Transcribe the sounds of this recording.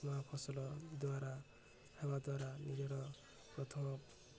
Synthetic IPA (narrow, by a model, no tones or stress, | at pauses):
mapʰɔsɔlɔd̪waɾa | bʰebad̪waɾanid͡ʒeɾɔ | kɔt̪ʰɔ